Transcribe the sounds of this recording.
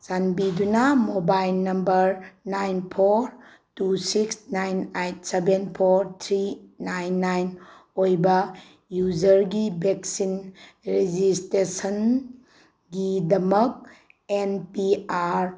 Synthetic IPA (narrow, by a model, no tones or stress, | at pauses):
sanbidunamobajlnɐmbɐɾnajnpʰoɾ | tusiksnajnejt̚sebenpʰoɾt̪ʰɾinajnːajn | ojbɐ | juzɐɾɡibeksinɾed͡ʒistesən | ɡidɐmɐk̚ | enpiaɾ